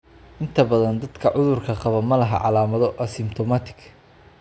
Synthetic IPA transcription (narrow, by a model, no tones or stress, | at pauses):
ʔɪnt̪ʰɐbɐðɐnd̪ɐd̪kʰɐʕʊðʊrkʰɐqɑβɐmɐlɐɦɐ̰ʕɑ̰laːmɐðɔʔɐsɪmt̪ʰɔmaːt̪ʰɪ̥ɡ